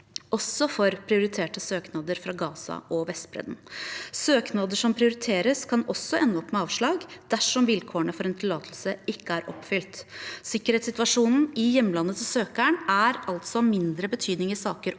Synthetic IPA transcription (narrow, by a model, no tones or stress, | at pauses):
ɔsːɔfɔɾpʰɾɪʊɾɪt̪ʰeːʈəsøːknɑd̪əɾfɾɑːɡɑːsɑ̰ʔɔʋɛst̪bɾɛ̰d̪nsøːknɑd̪əʂɔmpʰɾɪʊɾɪt̪ʰeːɾəskʰɑnɔsːɔʔɛnːəɔpːmɛɑːʋʂɭɑːɡd̪̥æʂɔmʋɪlkʰoːɳəfɔɾɛːnt̪ʰɪlɑːt̪ʰlsəɪkːəæɾʔɔpːfʏlt̪sɪkːəɾhɛːt̪sɪt̪ʋɑʂuːnn̩ɪjɛmːlɑnːət̪ʰɪlsøːkæɳæɾɑlt̪sɔmɪnd̪ɾəbət̪ʰyːd̪nɪŋɪsɑːkəɾ